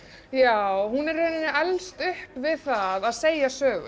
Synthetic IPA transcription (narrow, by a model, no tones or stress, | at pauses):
jaːwwhunɛɾreːnɪnʏɛlst̪ʏhpvɪðθaðaðseːjasœːɣʏ̰